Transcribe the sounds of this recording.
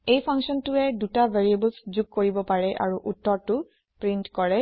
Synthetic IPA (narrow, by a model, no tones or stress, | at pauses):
ejpʰaŋsɔntuɛdutabʱeɹiebəlszuɡ̚koɹibɔpaɹɛʔa̰ɹuʔutːɔɹtu | pɹintkɔɹɛ